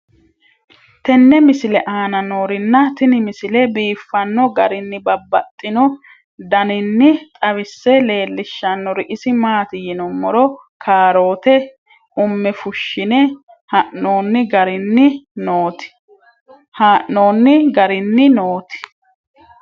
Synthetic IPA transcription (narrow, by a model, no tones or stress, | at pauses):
t̪ɛnːɛmɪsɪlɛʔaːnɐno̞ːɾɪnːɐt̪ɪnɪmɪsɪlɛbiːfːɐnːɔɡɐɾɪnːɪbɐbːɐt̪ʼːɪnɔ | d̪ɐnɪnːɪt̪ʼɐβɪsːɛle̞ːlːɪʃːɐnːɔɾɪʔɪsɪmaːt̪ɪjɪnɔmːɔɾɔ | kʰaːɾo̞ːt̪ɛ | ʊmːɛfʊʃːɪnɛ | hɐʔːo̞ːnːɪɡɐɾɪnːɪnoːt̪ɪ̥ | haːʔːo̞ːnːɪɡɐɾɪnːɪnoːt̪ɪ̥